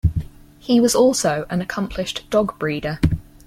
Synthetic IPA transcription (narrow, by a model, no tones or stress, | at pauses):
hiwɒzɔˑlˠsəʊʔə̃nəkʰʌ̃mpʰlɪʃd̥ɒɡb̥ɹiːdə